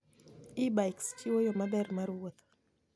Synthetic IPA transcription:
ibajkst͡ʃiwojɔmadɛrmaɾwot̪

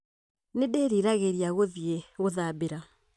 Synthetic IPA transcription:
nedeɾiɾaɣeɾiaɣoðieɣoðabeɾa

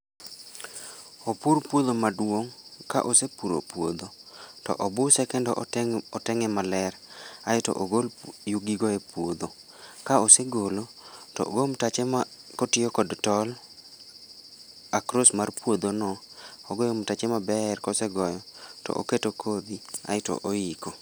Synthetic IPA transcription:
opuɾpwod̪omadwoŋka̰ʔosepuɾo̰pwod̪otɔ̰ʔɔbʊsɛkɛndɔʔɔtɛŋɛmalɛrajɔtɔ̰ʔoɡoljuɡiɡɔepwod̪o | kaoseɡolotɔ̰ɡomtat͡ʃɛmakotɪjɔkɔdtɔl | akɾosmarpwod̪onɔ | oɡojomtat͡ʃemabɛrkɔsɛɡɔjɔtɔ̰ʔo̰ketokʰod̪ia̰jɪto̰ʔoiko

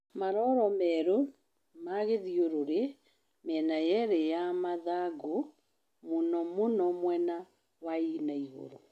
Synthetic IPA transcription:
maɾɔɾɔmɛɾo | maɣeðioɾoɾe | mɛnajɛɾejamaðaɡo | monɔmonɔmwɛna | wainaiɣo̰ɾo

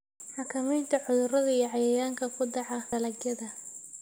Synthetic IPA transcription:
ħɑkʰɐmɛjnt̪ʰɐʕʊðʊrɐðɐijɔʕɑjɛɣaːŋkʰɐkʰʊd̪ɑʕɑɐlɐɡjɐðɐ

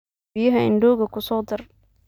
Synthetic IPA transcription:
ɪjɐɦɐɪ̰nɖɔːɣɐkʰʊsɔːd̪ɪr

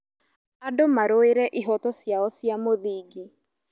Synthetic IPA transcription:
adomaɾoeɾɛʔiɦɔtɔsjaɔsjamoðiːɡi

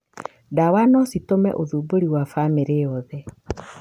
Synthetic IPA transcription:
dawanɔsitomɛ̰ʔoðuːboɾiwafameɾeɔðɛ

